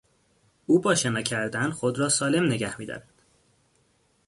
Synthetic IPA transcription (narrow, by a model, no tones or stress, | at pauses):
uːbɒːʃenɒːcʰæɾd̪ænxo̞d̪rɒːsɒːle̞mne̞ɟæhmiːd̪ɒ̰ɾæd̪̥